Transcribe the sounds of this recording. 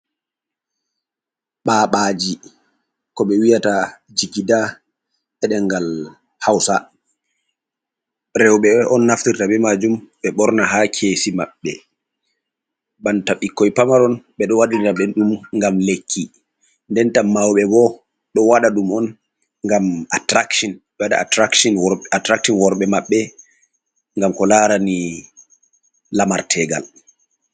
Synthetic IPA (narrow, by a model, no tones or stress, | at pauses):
ɓaːɓad͡ʒi | kɔɓɛwijata | d͡ʒikida | ɛɗɛŋɡal | hawsa | ɾɛwɓɛʔɔnːaftiɾtaɓɛmad͡ʒumɓɛɓɔɾnaɦakʰeːsimaɓːɛ̰ | bantaɓikːɔjpamaɾɔnɓɛɗɔwaɗintaɓɛɗumŋɡamlekʰːi | ndɛntamawɓɛɡɔ | ɗɔwaɗaɗumɔn | ŋɡamatɾakʃinɓɛwaɗa̰atɾakʃɔnwatɾakʃɔnwɔɾɓɛmaɓːɛ | ŋɡamkɔlaɾani | lamaɾtʰɛɡa̰l